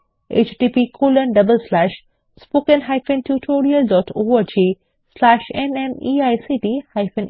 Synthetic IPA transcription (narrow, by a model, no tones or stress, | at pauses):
ʔḛt͡ʃɖiːpiːkʰoːlə̃nɖɐbəlslæːʃ | spoːkə̃nɦaɪfɪ̃nʈjuːʈʰoːɾiəlɖɔːʈʰoːaɾd͡ʒiː | slæːʃɛ̃nẽniːaɪsiːʈiːhaɪfɪ̃n